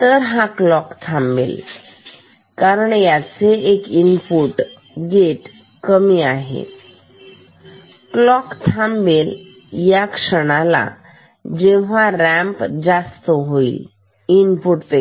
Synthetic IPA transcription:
t̪əɾɦãklɔkt̪ʰãmbḛl | kaɾəɳjat͡seekinpuʈ | ɡeʈ | kəmiːaɦḛ | klɔkt̪ʰãmbel | jakʂəɽ̃ala̰ | d͡ʑeʋ̤ãɾɛ̃mpd͡zast̪əɦoḭl | inpuʈpe

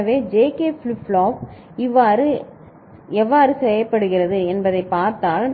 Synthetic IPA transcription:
ɐʋeːd͡ʒeːkeːflfɭoːp | ɪʋːaːɾɯ | ɛʋːaːɾɯsɛjɐpːɐɽɯɣɪrɐðɯɛnbɐðɐɪpːaːɾt̪aːl

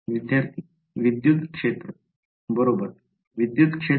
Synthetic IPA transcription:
ʋid̪jaɾt̪ʰi | ʋid̪jut̪kʂet̪ɾə | bəɾobəɾ | ʋid̪jut̪kʂe

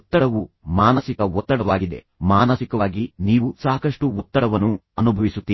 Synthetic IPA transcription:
ɔt̪ːɐɽɐʋumaːnɐsikɐɔt̪ːɐɽɐʋaːɡid̪e̞̰ | maːnɐsikɐʋaːɡiniːʋusaːkɐʂʈuːt̪ːɐɽɐʋɐnːuɐnubʱɐʋisut̪ːiː

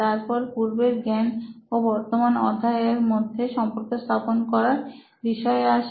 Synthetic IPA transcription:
aɾpɔɾpuɾbeɾɡɛnobɔɾt̪omanɔ̰d̪ʱaeɾmod̪ʱːeʃɔmpoɾkost̪ʰaponkɔɾaɾ | biʃɔeaʃ

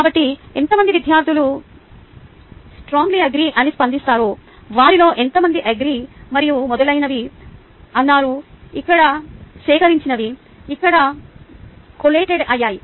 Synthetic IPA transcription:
kaːbɐʈːient̪ɐmɐnd̪iʋid̪ʱjaːɾd̪ʱilu | sʈɾaːŋɡliɐɡɾiːʔɐnispɐnd̪ist̪aːɾoːʋaːɾilo̞ːʔe̞nt̪ɐmɐnd̪iʔɐɡɾiːmɐɾijumɔd̪ɐlɐjnɐʋi | ɐnːaːɾuikːɐɽɐsʋɛːkɐɾiɲt͡ʃinɐʋi | ikːɐɽɐ | koleːʈeɖɐjːaːji

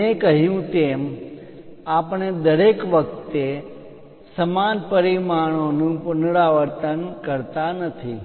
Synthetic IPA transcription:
ekəɦjũt̪em | apɳ̃ed̪əɾekʋəkt̪e | səmanpəɾimaɳ̃onũpʊnɽaʋəɾt̪ənkəɾt̪anət̪ʰi

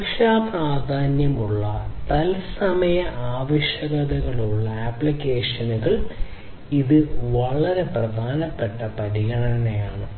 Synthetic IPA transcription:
kʂaːpraːd̪ʱaːnjɐmuɭːɐt̪ɐlsɐmɐjɐaːʋɐʂjɐɣɐðɐɣɐɭuɭːɐaːpːɭikʲːeːʂɐnuɣɐɭ | iðɨʋɐɭɐɾe̞prɐd̪ʱaːnɐpːe̞ʈːɐpɐɾiɣɐɳɐnɐnejaːɳɨ

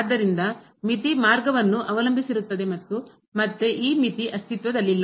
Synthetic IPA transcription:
d̪ːɐɾind̪ɐ | mit̪imaːɾɡɐʋɐnːuʔɐʋɐlɐmbʱisiɾut̪ːɐd̪e̞mɐt̪ːu | mɐt̪ːeʔiːmit̪iʔɐst̪it̪ʋɐd̪ɐlːilːɐ

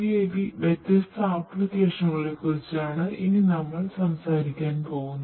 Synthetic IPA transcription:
ijeːkiʋet̪ːɐst̪ɐaːprud̪iʋɐʂɐŋːɐɭekːurit͡ɕːaːɳɨʔininɐmːɐɭsɐmsaːɾikʲːaːnpo̞ːɣunːɐ

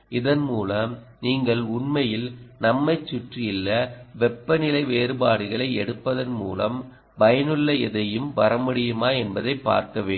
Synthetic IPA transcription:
ʔɪðɐnmuːlɐm | niːŋɡɐɭʊɳmɐjɪlnɐmːɐɪt͡ʃːʊʈrɪjɪlːɐʋɛpːɐnɪlɐɪʋeːɾɯbaːɽɯɣɐɭɐɪɛɽɯpːɐðɐnmṵːlɐm | bɐjɐnɯɭːɐɪðɐjɯmpɐɾɐmɯɽɪjɯmaːɛnbɐðɐɪpːa̰ːɾkɐʋeː

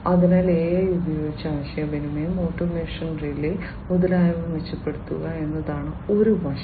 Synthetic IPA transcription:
ɐðinaːleːjɐjubɐjo̞ːɡit͡ɕːaːʋɐɕɐjɐbɐnimemoːʈːɐmeːʂɐnrili | muðɐlaːjɐʋɐmʋet͡ɕːɐpːe̞ɽut̪ːṵɣɐe̞nːɐðaːɳɨo̞ɾuʋɐʂ

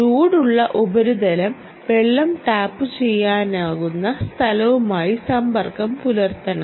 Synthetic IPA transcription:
ɾuːɽuɭːɐʔubɐɾud̪ɐlɐm | ʋe̞ɭːɐmʈ̪aːpːɨt͡ɕe̞jːaːnaːɣunːɐst̪ʰɐlɐʋumaːjisɐmbɐrkɐmpulɐrt̪ɐɳɐ

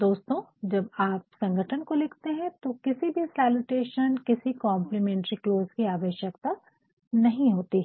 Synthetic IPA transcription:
d̪oːst̪õd͡ʒɐbaːp̚sɐ̃ŋɡʱəʈʰənkoleːkʰt̪eɦɛ̃t̪okɪsibʱisaːlʊʈeːʃənkɪsikãːmplimɛ̃ːɳʈɾikloːzkiaːʋəʃjək̚t̪a | nɐɦĩɦoːt̪i

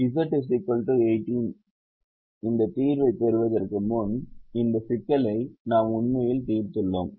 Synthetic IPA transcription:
ɪsɐʈːɯs̬ɪkːɐlʈɯeɪʈːin | ɪnd̪ɐt̪iːɾʋɐɪp̪ːɛɾɯʋɐðɐrkɯmɔnɪnd̪ɐsɪkːɐlɐɪnaːmʊɳmɐjɪlt̪iːɾt̪ɯɭːoːm

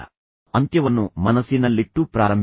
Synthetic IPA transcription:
ɐnt̪jɐʋɐnːumɐnɐsinɐlːiʈːupɾaːɾɐmb

